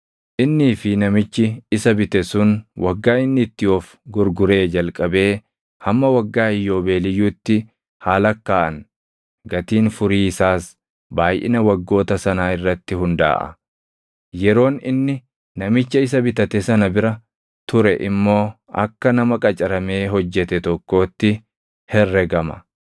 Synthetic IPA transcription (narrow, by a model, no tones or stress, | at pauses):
ʔɪnːiːfɪnɐmɪt͡ʃːɪɪsɐbɪt̪ɛsʊnwʔɐɡːaːɪnːɪt̪ːɪjoːf | ɡʊɾɡʊɾe̞ːd͡ʒɐlkʼɐbe̞ː | hɐmːɐwɐɡːaːɪjːo̞ːbe̞ːlɪjːuːt̪ːɪ | haːlɐkːaːʔɐn | ɡɐt̪iːnfʊɾiːɪsaːs | baːjʔɪ̰nɐwɐɡːo̞ːt̪ɐsɐnaːɪrːɐt̪ːɪhʊnd̪a̰ːʔɐ̰ | jɛɾo̞ːnɪ̰nːɪ | nɐmɪt͡ʃːɐɪs̬ɐbɪt̪ɐt̪ɛsɐnɐbɪɾɐ | t̪ʊɾɛʔɪmːo̞ː | ɐ̰kːɐnɐmɐkʼɐt͡ʃʼɐɾɐme̞ːɦɔd͡ʒːɛt̪ɛt̪ɔkːo̞ːt̪ːɪ | hɛrːɛɡɐmɐ̰